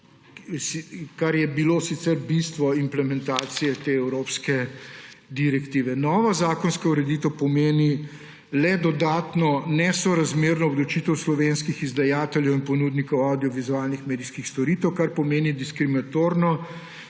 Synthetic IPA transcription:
sikaɾjɛbilosit̪sɛɾbist̪ʋɔimplɛmɛnt̪aːt̪sijɛt̪eːɛwɾopskɛ | d̪iɾɛkt̪iːʋɛnɔːʋazaːkɔnskauɾɛd̪it̪ɛpɔmeːni | lɛd̪ɔd̪aːt̪nɔnɛsɔɾazmeɾnɔːblɔt͡ʃit̪əwslɔʋenskixizd̪ajaːt̪ɛljɛwinpɔnuːd̪nikɔwawd̪ijɔʋizualnixmeːd̪iskixst̪ɔɾiːt̪ɛwkaɾpɔmeːnid̪iskɾiminat̪oːɾnɔ

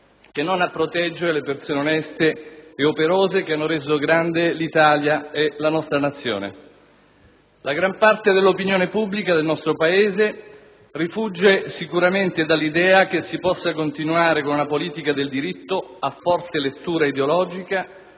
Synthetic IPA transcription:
k̟enːonapːɾot̪ɛd͡ʒːeɾelepersoːneonɛst̪eːopeɾoːzekeanːoɾeːzoɡɾand̪elit̪aːljaelanɔst̪ɾanat̪sːjo̰ːnḛ | laɡɾampart̪ed̪elːopinjoːnepubːlikad̪elnɔst̪ɾopaeːze | rifud͡ʒːesikuɾament̪ed̪alːid̪ɛːak̟esːipɔsːakont̪inuaːɾekonunapoliːt̪ikad̪eld̪iɾit̪ːoafːɔrt̪elet̪ːuːɾaid̪eolɔːd͡ʒika

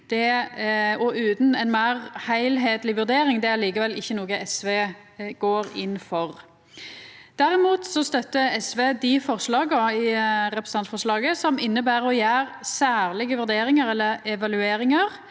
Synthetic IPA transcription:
d̪̥ɛ | ɔʔʉːt̪nɛnmæːʁhæɪlɦeːd̪lɪʋʉɾd̪eːɾɪŋd̪ɛæɾliːkəʋɛlɪçːənoːɡəʔɛsʋeːɡ̥oːɾɪnːfɔʁ | d̪̥æɾɪmuːt̪sɔst̪œt̪ːəɛsʋeːd̪ɪfɔʁslɑːɡəɪɾɛpɾəs̩ɑnt̪fɔʁʂlɑːɡəsɔmɪnːəbæːɾɔjæːʁsæːʁlɪɡəʋʉɾd̪eːɾɪŋəɾɛlːəɛʋɑlʉeːɾɪŋəʁ

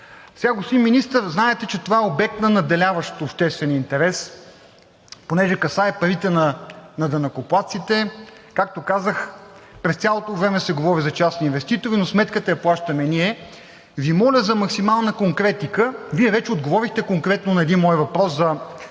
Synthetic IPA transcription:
sʲaɡosinminist̪əɾznaɛt̪ɛt͡ʃɛt̪ovaɛobɛk̚t̪nɐnɐd̪ɛlʲavəʃt̪opʃt̪ɛst̪vɛnint̪ɛɾɛs | ponɛʒɛkɐsaɛpɐɾit̪ɛnɐnɐd̪ɐnɐkoplˠat̪sit̪ɛ | kak̚t̪okazəxpɾɛst̪sʲalˠot̪ovɾɛmɛsɛɡovɔɾizɐt͡ʃasninvɛst̪it̪oɾinosmɛt̪kət̪ɐjɐplˠaʃt̪ɐmɛniɛ | vimɔlʲəzɐmɐksimalˠnəkoŋkɾɛt̪ikəviɛvɛt͡ʃɛod̪ɡovɔɾixt̪ɛkoŋkɾɛt̪nonɐɛd̪inmɔjvɐpɾɔszɐ

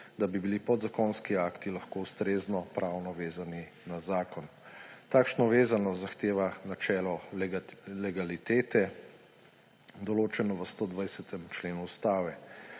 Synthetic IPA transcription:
d̪abibilipɔd̪zakonskiaːkt̪ilaxkoust̪ɾeːznɔpɾaːwnɔʋeːzani | nazaːkɔn | t̪aːkʃnɔʋeːzanɔzaxt̪eːʋanat͡ʃɛːlɔ | lɛɡalit̪eːt̪ɛ | d̪ɔloːt͡ʃɛnɔʋəst̪oːd̪ʋajsɛt̪ɛmt͡ʃleːnuust̪aːʋɛ

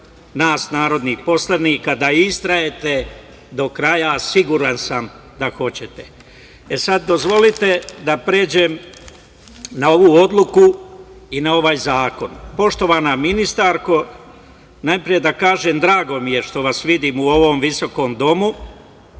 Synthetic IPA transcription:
naːsnaːɾo̞d̪nixpo̞slaniːkad̪aist̪ɾaje̞t̪e̞ | d̪o̞kɾajasiɡuːɾansam | d̪axo̞t͡ɕe̞t̪e̥ | esad̪̚ːo̞zʋo̞lit̪e̞d̪apɾeːd͡ʑe̞m | nao̞ʋuːo̞d̪lˠuku | inao̞ʋaːjzaːko̞npo̞ʃt̪o̞ʋaːnaminist̪aɾko̞ | najpɾije̞d̪akaːʒeːmd̪ɾaːɡo̞mije̞ʃt̪o̞ʋasʋid̪iːmuo̞ʋo̞mʋiso̞ko̞ːmd̪o̞mu

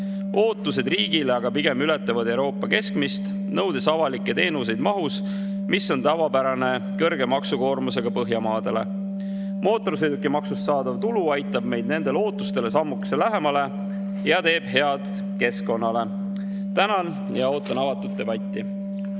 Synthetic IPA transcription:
ʔo̞ːt̪ːˑuse̞d̪riːɡ̥ileɑɡɑpiɡ̥e̞myle̞t̪ːˑevɑd̪e̞wɾo̞ːpːˑɑke̞skmist̪ | nɤ̞wd̪esɑvɑlikːe̞t̪e̞ːnus̬e̞jd̪̥mɑɦus | misːo̞nt̪ɑvɑbæɾɑne̞ | kɤɾɡ̥e̞mɑksuko̞ːrmuse̞ɡ̥ɑpɤɦjɑmɑːd̪̥e̞le̞̰ | mo̞ːt̪ːˑo̞rsejd̪ukːimɑksust̪sɑːd̪̥ɑvt̪uluɑjt̪ːˑɑb̥me̞jd̪ne̞nd̪̥e̞lo̞ːt̪ːˑu̥st̪e̞le̞sɑmːukselæɦe̞mɑle̞ | jɑt̪e̞ːb̥he̞ɑd̪̥ | ke̞sko̞nːɑle̞ | t̪ænɑn | jɑo̞ːt̪ːˑɑnɑvɑt̪ːˑud̪̥̚d̪e̞b̥ɑt̪ʲːi

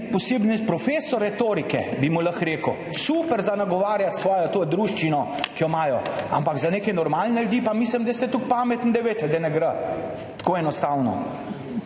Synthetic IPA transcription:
pɔseːbnɛpɾɔfeːsɔɾɛt̪oːɾikɛbimulɐxɾeːkəw | supɛɾzanaɡɔʋaːɾjat̪sʋɔːjɔt̪oːd̪ɾuːʃt͡ʃinɔ | kijɔmaːjɔampaɡzaneːkɛnɔɾmaːlnɛld̪iːpamislimd̪ɐjst̪ɛt̪uk̚paːmɛt̪n̩d̪ɛʋeːt̪ɛd̪ɛnɛɡɾət | t̪koːɛnɔst̪aːwnɔ̰

